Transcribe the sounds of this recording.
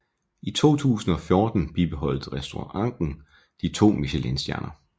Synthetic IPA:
it͡sʰo̝̰ːt͡sʰṵːsn̩ɒ̽fjo̝ːd̥n̩b̥ib̥e̝ɦɒ̽l̰d̥ʁɛsd̥o̝ɑ̈ŋ̰d̥n̩ | d̥it͡sʰo̝̰ːmiɕelensd̥jæɐnʔɐ

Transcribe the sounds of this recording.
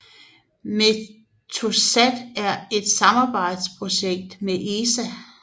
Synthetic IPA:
me | t͡sʰosæd̥æɐe̝d̥sɑ̈mɑ̈ːb̥ɑ̈ɪ̰d̥spʰʁo̝ɕeɡ̥̚d̥meʔeːsæ

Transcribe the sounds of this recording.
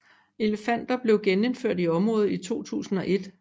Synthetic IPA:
e̝ləfæn̰d̥ɐb̥le̝ʊɡ̥ene̝nføɐ̰d̥iɒ̽mʁɔ̽ːð̩ˠit͡sʰo̝̰ːt͡sʰṵːsn̩ɒ̽ʔe̝d̥

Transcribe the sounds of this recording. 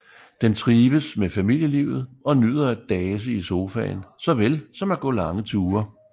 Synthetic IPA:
d̥ent͡sʰʁiːʋəsmefæmil̰jəliʊð̞̩ˠɒ̽nyð̞̰ˠɐd̥ɛːs̬əiso̝ːfɛ̰ːnsɒ̽ʋelsɒ̽mæɡ̥ɔ̰̽ːlɑ̈ŋət͡sʰuːɐ

